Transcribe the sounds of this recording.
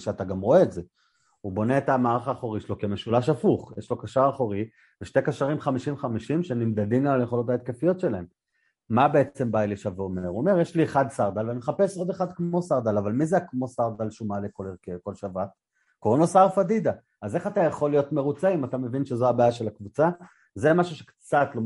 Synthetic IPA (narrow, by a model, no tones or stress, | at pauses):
ʃeat̪aɡamʁo̞eːtze | ubo̞ne̞ːtamaːʁaχaːχoʁiʃelo̞kemeʃulaʃafuχjeʃlo̞kaʃaʁaχoʁi | veʃtekaʃaʁimχamiʃimχamiʃimʃenimd̪adimaljeχo̞lo̞tait̪̚kefijo̞tʃelae̞mː | abe̞et͡se̞mbailiʃaveomeʁuome̞ʁjeʃlieχad̪saʁd̪alvanimeχape̞so̞d̪e̞χad̪kmo̞saʁd̪alavalmizeakmo̞saʁd̪alʃumalekolekeko̞lʃavat | koʁonosaʁfadid̪a | azeχatajaχo̞lijo̞tme̞ʁut͡saimatame̞vinʃezo̞abaːjaʃelakvut͡sa | zemaʃuʃekt͡sat̪lo